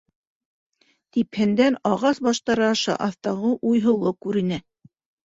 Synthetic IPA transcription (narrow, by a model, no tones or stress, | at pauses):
t̪iphɘ̆nd̪ænɑʁɑsbɑʃt̪ɑɾɑɑʃɑ̰ʔɑθt̪ɑʁɤʔujɦɤ̆lˠokʉɾɘ̆nɘ